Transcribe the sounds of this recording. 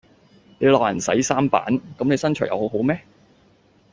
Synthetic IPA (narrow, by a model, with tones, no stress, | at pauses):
ne˨˧jlɔː˨k̚jɐ˨˩nsɐ̰˨˥jsaː˥mpa̰ː˨˥nkɐ˨˥mne˨˧jsɐ˥nt͡ʃʰœ̰ː˨˩jʔɐ̰˨˧who˨˥wɦo˨˥wmɛː˥